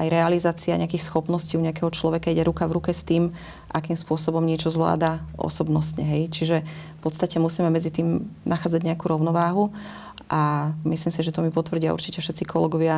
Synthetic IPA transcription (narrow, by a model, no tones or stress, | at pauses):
ajɾɛalizaːt͡siaɲɛakixsxɔpnɔsciːuɲɛakɛɦɔt͡ʃlɔʋɛkaiɟɛɾukavɾukɛst̪iːm | ʔakiːmspʊɔsɔbɔmɲɪɛt͡ʃɔzʋla̰ːd̪aʔɔ̰sɔbnɔsɲɛɦɛjt͡ʃiʒɛfpɔt̪st̪acɛmusiːmɛmɛd͡zit̪iːmnaxaːd͡zaɟɲɛakuɾɔʊnɔʋaːɦu | ʔamisliːmsiʒɛt̪ɔmipɔt̪ʋr̩ɟia̰ṵɾt͡ʃicɛfʃɛt̪t͡sikɔlɛɡɔʋɪa